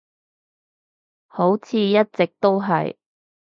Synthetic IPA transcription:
ho˨˥wt͡sʰiː˨˧jɐ˥t̚t͡sɪ˨k̚t̪o˥wɦɐ̰˨j

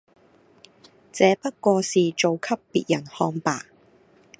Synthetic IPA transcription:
t͡sɛː˨˧pɐ˥t̚kʷɔː˧siː˨t͡ʃo˨wkʰɐ˥pːḭː˨t̚jɐ˨˩nhɔː˧ŋpa̰ː˨

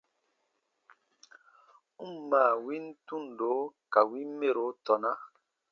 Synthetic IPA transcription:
u˦m˦˨maː˨wi˦n̩˦tu˦˨n˨do˨˦ka˨wi˦m˦me˦˨ɾo˨˦tɔ˨na˦

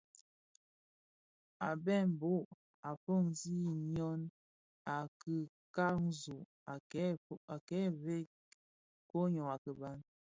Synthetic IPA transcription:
a˨bɛ˦˨m̩˨bo˦ʔ | a˨fɔ˦˨ŋzi˦ɲɔ˦n | a˨kɨ˨ | ka˦ŋ˦zu˨ʔ | a˨ɛ˦a˨kɛ˨˦ve˦ | ko˦ɲɔ˨ŋa˨kə˨ba˦n

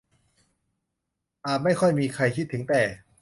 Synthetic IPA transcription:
ʔaː˨˩t̪̚ma˥˩jkʰɔ˥˩jmiː˧kʰa˧jkʰi˥˩t̪ʰːɯ˩˦ŋt̪ɛː˨˩

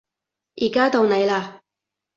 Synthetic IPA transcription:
jiː˨˩kaː˥t̪o˧wne˨˧jlaː˧

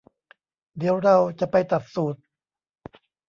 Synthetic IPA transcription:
d̪i˨˩˦əwɾa˧wt͡ɕa˨˩pa˧jt̪a˨˩t̪̚suː˨˩t̪̚

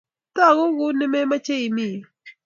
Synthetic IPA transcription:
ta˦˨ɣo˦ɣu˦nɪ˦me˦ma˦t͡ʃe˦i˨mi˦˨

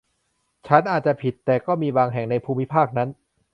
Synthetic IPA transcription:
t͡ɕʰa˦˥nʔaː˨˩t̪̚t͡ɕa˨˩pʰi˨˩t̪ːɛː˨˩kɔː˥˩miː˧baː˧ŋɦɛ˨˩ŋna˧jpʰuː˧mːi˦˥pʰaː˥˩k̚na˦˥n

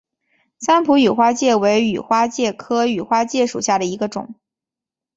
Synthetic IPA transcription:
sa˥npʰu˧˥y˨˩xwa˥t͡ɕjɛ˥˩we˧˥ɪy̰˨˩xwa˥t͡ɕjɛ˥˩kʰɤ˥y˨˩xwa˥t͡ɕjɛ˥˩ʂṵ˨˩ɕja˥˩d̪ə˩i˧˥ɡə˧ʈ͡ʂʊ̰˨˩˦

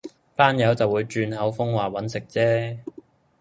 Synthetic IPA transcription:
paː˥njɐ˨˥wt͡sɐ˨˩wuː˨˧jt͡ʃyː˧nhɐ˨˥wfʊ˥ŋwaː˨wɐ˨˥nsɪ˨k̚t͡sɛː˥

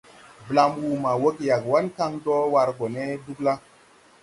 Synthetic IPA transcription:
bla˦mwu˨ma˨wo˦kja˨kwa˦nka˦ŋdɔ˦wa˧ɾɡo˨ne˦du˦kla˦

